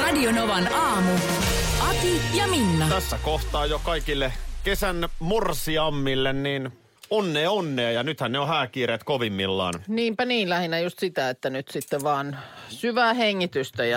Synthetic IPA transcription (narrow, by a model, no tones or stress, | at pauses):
rɑdionoʋɑnɑːmuʔɑt̪ijɑminːɑt̪æsːækoht̪ɑːjokɑikilːekesænmursiɑmːilːenniːn | onːeːonːeːjɑnyt̪hænneohæːkiːɾeːt̪koʋimːḭlːɑ̰ːnniːmpæniːnlæhinæjust̪sit̪æet̪ːænyt̪sit̪ːeʋʋɑːnsyʋæːheŋːit̪yst̪æjɑ